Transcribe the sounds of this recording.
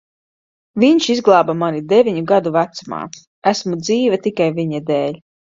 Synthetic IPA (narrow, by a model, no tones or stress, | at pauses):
viɲʃizɡlˠaːbamanid̪evʲiɲuɡad̪uvæt̪suma̰ː | æsmud̪ziːvɛt̪ikajvʲiɲɛd̪eːlʲ